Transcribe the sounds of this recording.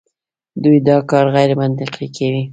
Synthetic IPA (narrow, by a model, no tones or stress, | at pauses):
d̪ujd̪ɑkɑɾɣajɾmant̪ɪqʰikawi